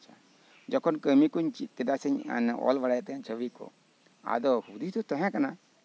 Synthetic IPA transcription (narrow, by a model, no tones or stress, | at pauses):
t͡ʃʰa | d͡ʒɔkʰɔnkəmikuɲt͡ʃikɛd̪asəɲa̰nɔ̰lbaɽajat̪ɛaɲt͡ʃʰəwikɔ̰ | a̰d̪ɔhud̪id̪ɔt̪ɔ̃ɦɛ̃kana